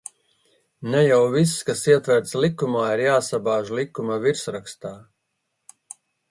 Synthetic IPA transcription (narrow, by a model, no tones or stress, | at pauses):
nɛjawvisːkasiɛt̪vɛɾt̪slˠikumaːiɾjaːsabaːʒlˠikumaviɾsɾakst̪aː